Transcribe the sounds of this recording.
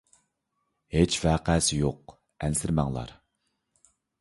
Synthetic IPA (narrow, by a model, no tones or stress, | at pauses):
het͡ʃvæqæːsɪjoq | ɛnsɪɾmɛŋlˠɑ̰ɾ